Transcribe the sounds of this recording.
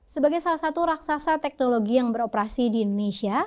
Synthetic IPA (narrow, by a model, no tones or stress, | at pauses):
səbaɡajsalahsat̪uɾaksasat̪ɛk̚noloɡijaŋbəɾopɾasidiːndonesia